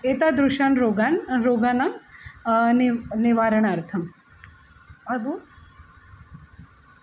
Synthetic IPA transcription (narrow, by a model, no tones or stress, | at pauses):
et̪ad̪ɾuʃaːnɾoːɡaːnɾoːɡaːna | nniʋaːɾəɳ̃ɐɾt̪ʰɐm | ɐbo